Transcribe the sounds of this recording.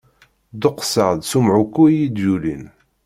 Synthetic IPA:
d̪ʊqːsəʁðsumʕukːujid̪julḭn

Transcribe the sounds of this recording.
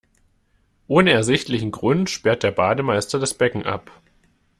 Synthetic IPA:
ʔoːnəɛɐzɪçtlɪçn̩ɡʁʊntʃpɛɐt̚d̥eːɐbaːdəmaɪstɐdasb̥ɛkŋ̩ʔa̰p

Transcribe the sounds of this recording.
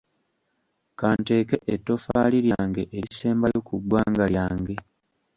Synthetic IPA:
kaːnte̞ːke̞ʔetːo̞faliɾjaːŋɡe̞ʔeɾise̞ːmbajo̞kuɡwaːŋɡaljaːŋɡe̞

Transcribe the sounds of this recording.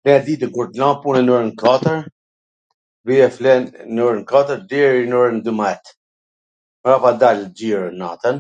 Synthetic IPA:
lɛnɛd̪it̪əkuɾt̪lãpunɛnuɾənkat̪əɾ | bijɛflɛnnuɾənkat̪əɾd̪ɛɾinɔɾənd̪ymɛt̪ | mɾapad̪ald͡ʑiɾna̰t̪ən

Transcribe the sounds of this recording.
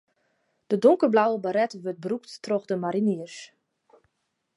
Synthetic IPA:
d̥ədoŋkərblawəbaɾɛtʋøt̚brukttroxdəmaɾiniərs

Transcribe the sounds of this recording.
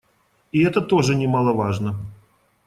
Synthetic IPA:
iɛt̪ət̪oʐɨnʲɪmalˠəvaʐnə

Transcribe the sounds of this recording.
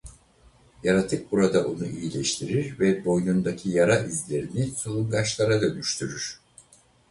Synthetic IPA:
jaɾat̪ʰɯk̚buɾad̪aʔo̞nuʔijilʲɛʃt̪ʰiɾiɾvɛbo̞jnund̪acʲʰijaɾaizlʲe̞ɾinisolˠunɡaʃlˠaɾad̪ønyʃt̪ʰyɾyɾ̥

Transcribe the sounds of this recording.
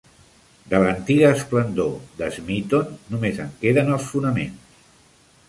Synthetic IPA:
d̪ələnt̪iɣəːsplənd̪od̪əzmit̪onːumezəŋkeðənəlˠsfunəmḛns

